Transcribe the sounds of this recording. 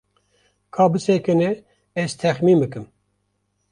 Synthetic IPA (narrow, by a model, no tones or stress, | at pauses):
kʰɑːbɨsɛkɨne | ɛzt̪ʰɛxmiːmbɨkɨm